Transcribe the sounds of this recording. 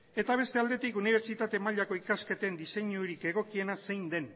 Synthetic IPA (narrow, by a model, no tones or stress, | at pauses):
e̞t̪aβ̞e̞st̪e̞ald̪e̞t̪ikuniβ̞e̞ɾt͡ʃit̪at̪e̞maʎako̞ikaske̞t̪e̞nd̪ise̞ɲuɾike̞ɣ̞o̞kie̞nase̞jnd̪e̞n